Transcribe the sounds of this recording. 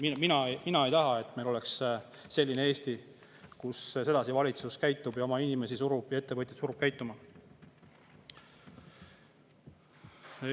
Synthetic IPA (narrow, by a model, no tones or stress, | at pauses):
miminɑminɑe̞jt̪ɑɦɑe̞t̪ːˑme̞jlo̞le̞ksː | e̞lʲːineeːst̪i | kusse̞d̪̥ɑsivɑlʲit̪suskæjt̪ˑːub̥jɑo̞mɑinʲime̞sisuɾub̥jɑe̞t̪ːeɤt̪ʲːˑɑt̪suɾub̥̚kæjt̪ːˑumɑ